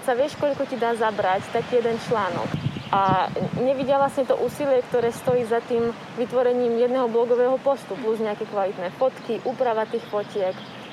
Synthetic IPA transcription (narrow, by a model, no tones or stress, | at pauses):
saʋɪɛʃkɔʎkɔcid̪aːzabɾact̪akiːjɛd̪ɛnt͡ʃlaːnɔ̰kʔaɲɛʋiɟɪaʋlasɲɛt̪ɔʔuːsilɪɛkt̪ɔɾɛːst̪ɔjiːzat̪iːm | ʋit̪ʋɔɾɛɲiːmjɛd̪nɛɦɔblɔɡɔʋɛːɦɔpɔst̪upluzɲɛakɛkʋalit̪nɛːfɔt̪kiʔuːpɾaʋat̪iːxfɔcɪɛk